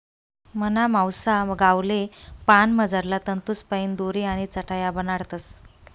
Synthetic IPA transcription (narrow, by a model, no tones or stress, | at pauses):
mənamawsaɡawlepanməd͡zaɾlat̪ənt̪uspəind̪oɾiaɽ̃it͡səʈʰajabənaɽt̪əs